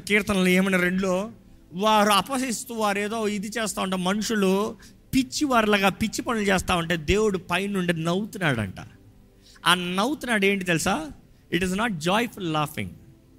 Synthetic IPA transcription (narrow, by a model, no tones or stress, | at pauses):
kiːɾt̪ɐnɐlueːmɐnɐɾe̞ɳɖulo̞ː | ʋaːɾuɐpɐsist̪uːʋaːɾeːd̪oːid̪it͡ʃeːst̪aːʋɐɳʈ̬eːmɐnuʂulu | pit͡ʃːiʋaɾlɐɡaːpit͡ʃːipɐnulut͡ʃɛːst̪aːʋɐɳʈe̞ːd̪e̞ːwuɽupɐjnːuɳɖinɐwt̪unaːɽɐ̰ɳʈa̰ː | aːnɐwt̪unaːɽeːɳʈ̬it̪elusaː | iʈiznaːʈ̚d͡ʒɔːjpullaːfḭŋɡ